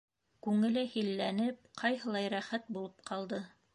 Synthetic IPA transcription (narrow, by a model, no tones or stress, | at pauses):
kʉŋɘ̆lɘhilːænɘp̚qʰɑjɦɤ̆lˠɑjɾæχæt̪̚bulˠɤpqʰɑlˠd̪ɤ